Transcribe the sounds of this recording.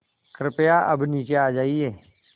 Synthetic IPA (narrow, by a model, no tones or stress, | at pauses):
kɾɪpjaʔɐbniːt͡ʃeaːd͡ʒaːieː